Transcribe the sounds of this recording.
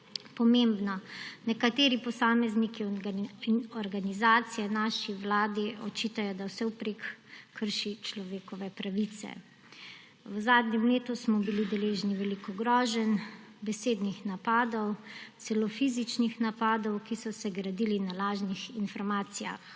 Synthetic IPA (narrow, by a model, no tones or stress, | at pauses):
pɔmembnɔnɛkat̪eːɾipɔsaːmɛzniki | ɔɾɡanizaːt̪sijɛnaːʃiʋlaːd̪iʔɔt͡ʃit̪ajɔd̪awsɛwpɾekːʰəɾʃit͡ʃlɔʋeːkɔʋɛpɾaʋit̪sɛ̰ | wzaːd̪nɲɛmleːt̪usmɔbilid̪ɛleːʒniʋɛlikɔɡɾɔːʒɛn | bɛseːd̪nixnapaːd̪ɔw̪sɛlofizit͡ʃnixnapaːd̪ɔwkisɔsɛɡɾad̪ilinalaːʒnixinfɔɾmaːt̪sija̰x